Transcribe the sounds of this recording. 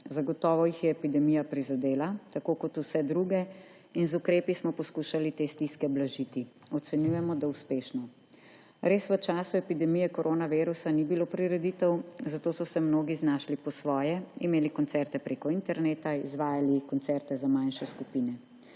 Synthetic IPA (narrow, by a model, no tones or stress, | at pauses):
zaɡɔt̪ɔːʋɔjixjɛːpid̪ɛmijapɾizad̪eːlat̪akoːkɔt̪usɛd̪ɾuɡɛ | inzukɾeːpismɔpɔskuːʃalit̪est̪iskɛblaʒit̪iɔt̪sɛnjujɛmɔd̪auspeːʃnɔ | ɾeːsʋət͡ʃaːsuɛpid̪ɛmijɛkɔɾʔoːnaʋeːɾusanibilopɾiɾɛd̪it̪ɛwzat̪oːsɔsɛmnoːɡiznaːʃlipɔsʋɔːjɛimeːlikɔnt̪sɛɾt̪ɛpɾeːkɔint̪ɛɾneːt̪aizʋaːjalikɔnt̪sɛɾt̪ɛzamanʃɛskupiːnɛ